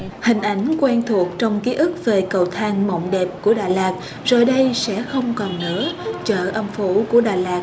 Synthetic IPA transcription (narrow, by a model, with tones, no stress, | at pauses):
hï˨˩ŋ̟ʔa˨˦jŋ̟kwɛː˧nt̪ʰu˨˩ək̚t͡ɕɔ˧wŋ͡mki˨˦ʔɨ˦˥k̚ve˨˩kə˨˩wt̪ʰaː˧nmo̰˧˨wŋ͡mɗɛ˨˩p̚ku˧˩əɗaː˨˩jlaː˨˩k̚ | zo˨˩jɗə˧jsɛ̰˧˥xə˧wŋ͡mkɔ˨˩nːɨ̰˧˥ət͡ɕə̰ː˧˨ʔə˧mfu˧˩˦ku˧˩əɗaː˨˩laː˨˩k̚